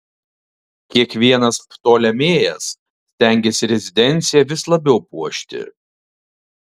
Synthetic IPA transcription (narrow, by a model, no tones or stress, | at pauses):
kʲiɛkʋʲiɛnɐspt̪oːlʲɛmʲeːjɛs | sʲt̪ʲæˑŋʲɡʲeːsʲɪɾʲɛzʲɪd̪ʲɛnʲt̪sʲɪjɛʋʲɪslˠɐbʲɛʊpuɔʃʲt̪ʲɪ̰